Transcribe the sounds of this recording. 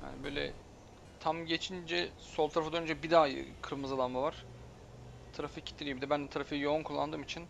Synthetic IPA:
ja̰ːnibø̞jlʲɛ̰ | t̪ʰamɟet͡ʃʰind͡ʒɛsolˠt̪ʰaɾafɯd̪ønynd͡ʒɛbid̪aːjɯ̰kʰɯɾmɯzalˠanmavaɾ̥ | t̪ʰaɾafɯcʰi̥t̪ʰːilʲijimid̪ɛbænt̪ʰaɾafɯjijo̞unkʰulˠːa̰nd̪ɯːmit͡ʃʰin

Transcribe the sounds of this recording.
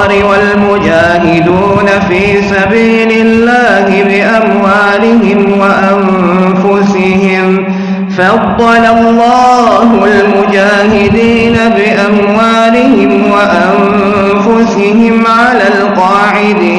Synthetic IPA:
ɾɪwalmʊd͡ʒaːɦɪd̪uːnafiːsabiːlɪlːaːhɪbɪʔamwaːlɪhɪmwaʔan | fʊsɪɦɪm | fɑd̪ˤːɑlalːɑːhʊlmʊd͡ʒaːhɪd̪iːnabɪʔamwaːlɪhɪmwaʔam | fʊsɪhɪmʕalaːlqɑːʕɪd̪iː

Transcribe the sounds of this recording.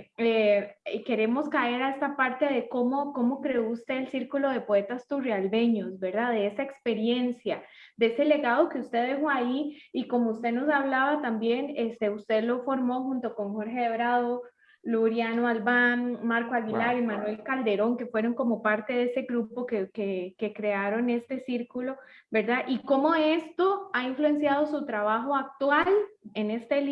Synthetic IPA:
eke̞ɾe̞mo̞skae̞ɾaest̪apaɾt̪e̞ðe̞ko̞mo̞ko̞mo̞kɾe̞oust̪e̞ːlsiɾkulo̞ðe̞poe̞t̪ast̪urealbe̞ɲo̞zbe̞ɾd̪aðe̞esaekspe̞ɾje̞nsja | d̪eesele̞ɣaðo̞ke̞ust̪e̞ðexoaiiko̞moust̪e̞no̞saβ̞laβat̪ambje̞nest̪eust̪e̞ðlo̞fo̞ɾmo̞xunt̪o̞ko̞ŋxo̞ɾxeðeβɾaðo̞ | luɾjanoalbanmaɾkoaɣilaɾimanwe̞lkald̪e̞ɾo̞ŋke̞fwe̞ɾo̞ŋko̞mo̞paɾt̪e̞ðeese̞ɣɾupo̞kekeke̞kɾe̞aɾo̞ne̞st̪e̞siɾkulo̞ | be̞ɾd̪aʔiko̞mo̞e̞st̪o̞aiɱflue̞nsjað̞o̞sut̪ɾaβaxo̞ak̚t̪wale̞ne̞st̪el

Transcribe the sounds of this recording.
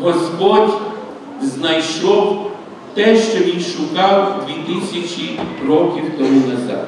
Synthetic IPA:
ɦɔspɔdʲ | znɐjʃɔw | t̪ɛʃt͡ʃɔʋʲinʃʊkɑwʋʲit̪ɪsʲɐt͡ʃʲirɔkʲiwt̪ɔmunɐza̰d̪

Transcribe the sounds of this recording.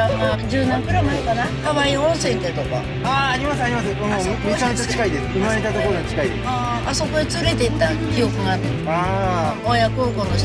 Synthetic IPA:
aod͡ʑɨːnãŋkɯ̟ɾamaɾekanahaβaiõɰ̃sẽ̞ŋk̪et̪o̞ka̰ | aːɾʲimasɨaɾʲimasɨõ | it͡ɕãnt̪ot͡ɕi̥kaid̪esɨ̥ɯaɾet̪at̪okoɾoɲit͡ɕi̥kaid̪eaː | aso̞ko̞d̪et͡sɨɾe̞t̪et̪ːakʲijo̞kɯ̟ɡat̪ | a | ojakoːɡoːnoɕ

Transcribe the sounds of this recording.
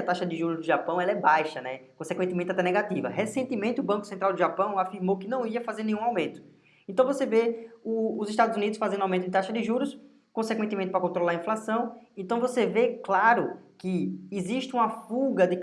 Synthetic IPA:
ɐt̪aʃɐd̪ɪʒuɾʊzd̪ɪʒapɐ̃w̃ɛlɐɛbajʃɐnɛkõsekwẽt̪ɪmẽt̪ɪat̪ɛnɛɡat̪ivɐ̰ɦesẽnt̪ɪmẽnt̪ɪʊbɐ̃kʊsẽnt̪ɾawd̪ɪʒapɐ̃w̃afiɾmowkɪnɐ̃w̃iɐfazeɾnẽũawmẽnt̪ʊ̥ | ẽnt̪ɐ̃w̃voseveʊːziʃt̪ad̪ʊzunid̪ʊsfazẽd̪uawmẽt̪ʊd̪ɪt̪aʃɐd̪ɪʒuɾʊs | kõsekwẽt̪ɪmẽt̪ɪpɾɐkõnt̪ɾolaɐĩflasɐ̃w̃ẽnt̪ɐ̃w̃voseveklaɾʊkɪːziʃt̪ɪũmɐfuɡɐd̪ɪ

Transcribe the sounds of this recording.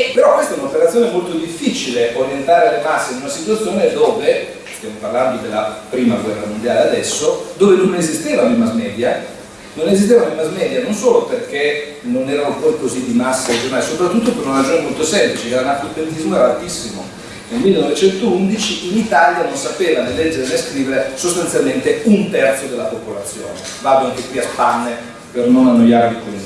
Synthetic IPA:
epːeɾɔkːwest̪aɛunaopeɾat̪sːjoːnemolt̪od̪ifːit͡ʃileʔoɾjent̪aːɾelemasːeinunasit̪wat̪sːjoːned̪oːve | st̪jamoparland̪od̪elːapɾiːmaɡwɛrːamond̪jaːlead̪ɛsːod̪oːvenonezist̪eːvanoimazmɛːd̪ja | nonezis̬t̪evanoimazmɛd̪janonsoːloperke | nonɛːɾanopɔjkozid̪imasːaed͡ʒjoɾnaːlesopɾat̪ːut̪ːopeɾunaɾad͡ʒoːnemolt̪osɛmplit͡ʃekɛunak̪opːelit̪izmoɛɾaalt̪isːimo | nelmilːenɔvet͡ʃɛnt̪ound̪it͡ʃiʔinit̪aljanonsapeːvanelɛd͡ʒːeɾeneskɾiːveɾesost̪anjalment̪eunt̪ɛrt̪sod̪elːapopolat̪sːjo̰ːne | vaːd̪oaŋkekwiapanːe | pernonanːojaːɾeipeli

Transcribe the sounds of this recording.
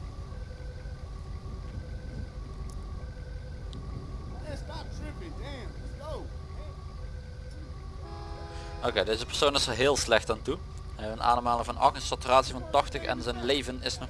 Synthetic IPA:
okejdejzəpər̥sownɪsərɦɪːlˠslɛxtaːntu | ɦɛjənʔa̰ːnəmaːlˠəvɑnɑ̰xəsɑtraːtsivɑntɑxtəxɛ̰nzɛjnlejvənɪsnɔ

